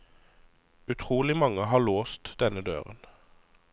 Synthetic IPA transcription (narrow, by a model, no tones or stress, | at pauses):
ʉt̪ʰʁuːlɪmɑŋəɦɑːɭoːst̪d̪̥ɛnəd̪ø̰ːʁə̰n